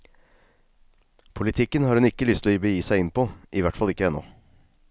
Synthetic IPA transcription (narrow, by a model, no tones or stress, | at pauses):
pʰʊlɪt̪ʰɪkːənhɑːɾʉnɪkːəlʏst̪lːbəjiːsæɪɪnpʰoʔɪʋæʈfɑlɪkːəɛnːɔ̰